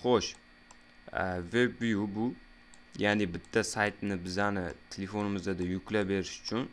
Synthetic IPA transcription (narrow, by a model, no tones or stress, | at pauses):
χoʃ | vebːijubʊ | janɪbɪt̪ʰːasajt̪nɪbɪzanɪt̪ʰelefo̞nɪmɪzd̪ad̪ajʊkʲlabe̞ɾɪʃʊ̥t͡ʃʰʊn